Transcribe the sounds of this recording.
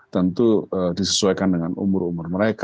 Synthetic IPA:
t̪ənt̪uədisə̥suajkandəŋanṵmʊrumʊrməɾek

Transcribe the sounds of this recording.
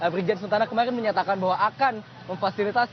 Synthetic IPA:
əbɾid͡ʒads̬ənt̪anakəmaɾɪnməɲat̪akanbaɦwaʔakan | məŋfasilit̪as

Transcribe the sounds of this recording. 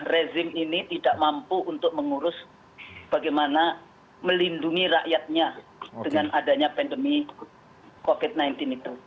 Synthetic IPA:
rezɪminit̪idaʔmampuʔːnt̪ʊk̚məŋuɾʊs | b̥aɡajmana | məlinduŋiɾaʔjat̪̚ɲad̥əŋanʔadaɲapɛndəmi | kofɪt̪̚najnt̪ɪnit̪u

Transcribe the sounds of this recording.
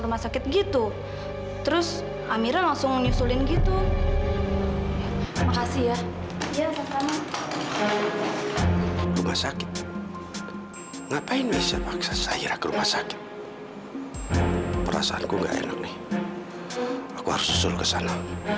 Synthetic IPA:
rumahsakɪt̪̚ɡit̪u | t̪əɾʊs | amiɾalaŋsʊŋɲusulɪnɡit̪u | t̪ɾimakasihjajapərt̪ama | rumahsakɪ̥t̪̚t̪̚ | ŋapaɪnmisiapaksasaḭɾakəɾumahsakɪ̥t̪̚ | pəɾa̰saa̰nkuŋɡa̰ʔɛ̰na̰k̚nɪh | akuha̰ɾʊsu̥sʊlkəsana

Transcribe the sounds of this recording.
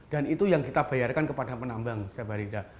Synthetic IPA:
d̥anit̪ujaŋkit̪ab̥ajarkankəpadapənambaŋsaabaɾida

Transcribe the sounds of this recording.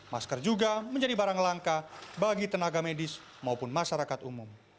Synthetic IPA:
maskərd͡ʒuɡaməɲd͡ʒadibaɾaŋlaŋkabaɡit̪ənaɡamedɪs | maupʊnmaʃaɾakat̪umʊm

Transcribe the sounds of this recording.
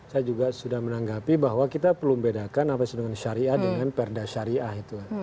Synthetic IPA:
sajad͡ʒuɡasudahmənaŋɡapibaɦwakit̪apərlumbedakanapasudəŋanʃaɾiahdəŋanpɛrdaʃaɾiʔahit̪uka

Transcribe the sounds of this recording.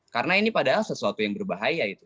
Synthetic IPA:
karnainipadaɦalsəsuat̪ujaŋbərbaɦajait̪u

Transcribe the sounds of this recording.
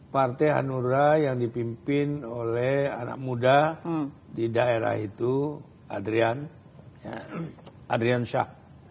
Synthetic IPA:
part̪ɛɦa̰nuɾajaŋdipimpɪnolɛha̰na̰k̚muda | didaeɾa̰hit̪u | adɾian | ja | ʔadɾianʃa̰h

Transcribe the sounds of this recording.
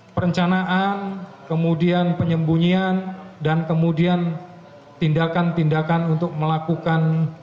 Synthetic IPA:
pəɾəɲt͡ʃanaʔankəmudianpəɲəmbuɲiandankəmudian | t̪indakant̪indakanunt̪ʊk̚məlakukan

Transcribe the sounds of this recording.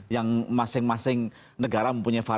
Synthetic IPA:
jaŋmasɪŋmasɪŋ | nəɡaɾaməmpuɲajfa

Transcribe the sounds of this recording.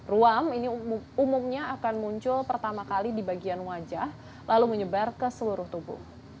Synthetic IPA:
ruaminiumʊmɲaːkanmuɲt͡ʃʊlpərt̪amakalidibaɡianwad͡ʒah | laluməɲəbarkəsəluɾʊht̪ubʊ̰h

